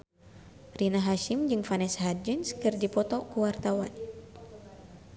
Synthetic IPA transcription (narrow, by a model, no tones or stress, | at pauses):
rinaɦaʃimd͡ʒɨŋfanɛsɦad͡ʒɨnskɨrdipɔt̪ɔkuwart̪awan